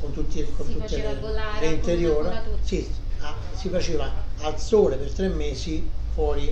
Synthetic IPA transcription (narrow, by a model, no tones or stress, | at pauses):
kont̪ut̪ːikont̪ut̪ːeleɾeint̪eɾjoːɾsiasifat͡ʃiːvaːlsoːlepert̪ɾemːeːsifwɔːɾi